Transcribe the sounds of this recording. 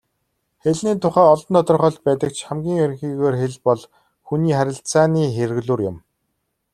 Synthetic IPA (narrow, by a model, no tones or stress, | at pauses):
xeɮniːt̪ʰʊχæːɔɮɞ̆nt̪ɔt̪ɞ̆rχɔ̆ɮt̪̚pæːt̪ə̆k̚t͡ɕʰχæmɡʲiːŋɵɾ̆ʲŋxiːɣoːrxeɮpɔɮ | xuniːχæɾʲɪ̆ɬt͡saːniːxerɣɮuːrjʊm